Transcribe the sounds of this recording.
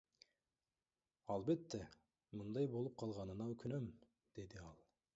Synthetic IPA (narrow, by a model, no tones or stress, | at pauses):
ɑlˠbe̞t̪ːe | mɯnd̪ɑjbo̞lˠup̚qʰɑlˠʁɑnɯnɑɵkʰynøm | d̪̥e̞d̪iɑlˠ